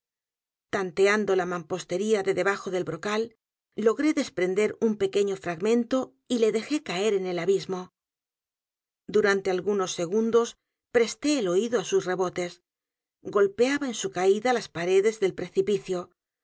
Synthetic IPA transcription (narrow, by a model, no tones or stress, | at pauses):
t̪ant̪e̞and̪o̞lamampo̞st̪e̞ɾiaðe̞ðe̞βaxo̞ðe̞lβɾo̞kalː | o̞ɣɾe̞ðe̞spɾe̞nd̪e̞ɾumpe̞ke̞ɲo̞fɾaɣmẽ̞nt̪o̞ | ile̞ðe̞xe̞kae̞ɾe̞ne̞laβizmo̞ | d̪uɾant̪e̞alɣuno̞sːe̞ɣ̞und̪o̞s | pɾe̞st̪e̞ːlo̞iðoasusre̞βo̞t̪e̞s | ɡo̞lpe̞aβaensukaiðalaspaɾe̞ðe̞zðe̞lpɾe̞θipiθjo̞